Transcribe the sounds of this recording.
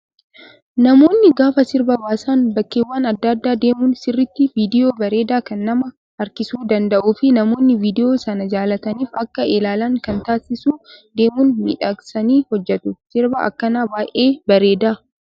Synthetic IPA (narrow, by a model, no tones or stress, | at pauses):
nɐmo̞ːnːɪɡaːfɐsɪɾbɐwaːsaːnbɐkːeːwːaːnɐd̪ːɐd̪ːaːd̪eːmunsɪrːɪt̪ːɪviːd̪ɪjo̞ːbɐɾe̞ːd̪aːkɐnːɐmɐ | ɐɾkɪsuːd̪ɐnd̪ɐʔuːfɪnɐmo̞ːnːɪviːd̪ɪjo̞ːsɐnɐd͡ʒaːlɐt̪ɐniːfɐkːɐʔɛlaːlaːŋkɐnt̪aːsɪsuːd̪e̞ːmunmɪ̰ᶑɐksɐniːhɔd͡ʒːɛt̪ʊsɪɾbɐʔɐ̰kːɐnaːbaːʔe̞ːbɐɾe̞ːd̪aː